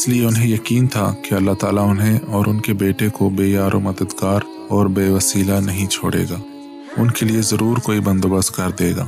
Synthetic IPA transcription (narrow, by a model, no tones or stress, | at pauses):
ɪslieʊnɦẽjɐkiːnt̪ʰa̰kiɐlːat̪aːlaʊnɦẽɔːɾʊnkebeːʈekobeːaːɾomɐd̪əd̪ɡaːɾ | ɔːɾbeːʋɐsiːlanɐɦĩt͡ʃʰoːɽḛːɡaː | ʊnkeliezɐɾuːɾkoːibɐ̃nd̪oːbəst̪kɐɾd̪eːɡa̰ː